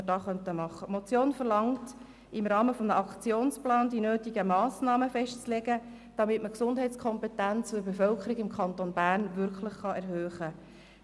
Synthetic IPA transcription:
əd̥ɑːχœntəmɑχːəmot͡sjoːnfəɾlɑŋt | ɪmɾɑːməfɔmnəʔɑkt͡sjoːnsplɑːndinøːtiɡəmɑːsnɑːməfɛʃtt͡slɛɡə | d̥ɑmɪtməksʊndɦɛɪt͡skʰɔmpɛtænt͡sfʊbefœlkʰəɾiɡɪmkʰχɑntonbæːrnʋʏɾkʰləχχɑɛɾɦøːχə

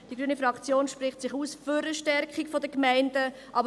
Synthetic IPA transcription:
d̥iɡɾyːənifɾɑkt͡sjoːnʃpɾɪχtsɪχuːsføɾəʃtɛɾkχikfodəkmæɪndə | ʔɑbə

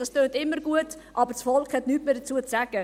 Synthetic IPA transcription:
d̥ɑstøːntɪmːəɾɡuətʔɑbəɾsfɔlkχhɛtnyːtmeːdət͡suət͡sæɡ̥ə

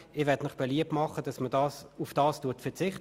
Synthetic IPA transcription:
ɪvʋɛɐdmɪχb̥eliəp̚tmɑχədɑsmədɑːsufd̥ɑːstuɐtfɛɐt͡sɪχt

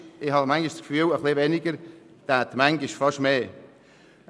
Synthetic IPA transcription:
ɪhɑmaŋɡɪʃskfyːləχlivɛnɪɡəɾ | t̪aːt̪maŋɡɪʃfɑʃmeː

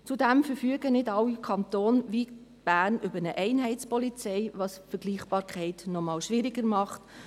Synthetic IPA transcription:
t͡sudɛmfəɾfyəɡənɪdɑwikʰɑnt̪oːnʋit | b̥æːɾnʔʏbəɾnəʔɛɪnɦɛɪtt͡spɔlit͡sɛɪʋɑsfəɾɡ̥liːχb̥ɑːɾkʰɛɪtnɔmɑːwʃʋɪɾɪɡəɾmɑχt

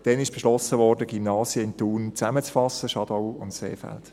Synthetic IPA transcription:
d̥ɛnɪʃb̥ɛʃlɔsəʋɔrdəɡ̥imnɑːsjəɪntuːnt͡sæmət͡sfɑsəʃɑd̥ɔʊʊntsḛːfæ̰lt

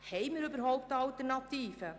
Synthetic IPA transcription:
hejməɾybərɦowk̚dəɑltərnɑtiːfə

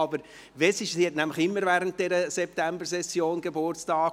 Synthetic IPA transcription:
ɑbəɾ | vɛsɪʃsihɛtnæmlɪxɪmːəɾvæːɾənt̚d̥ɛɾəsɛp̚tæmbəɾsɛsːjoːnɡebʊrt͡stɑːk

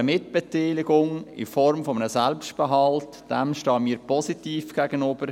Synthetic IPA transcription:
əmɪt̚b̥ɛt̪ɛːlɪɡʊŋɪ̰fɔɾmfɔmənəsɛlpstb̥ɛɦɑlt | d̥ɛmʃtɑːmiːɾpʰɔsitiːfɡ̥æɡ̥ənøb̥əɾ

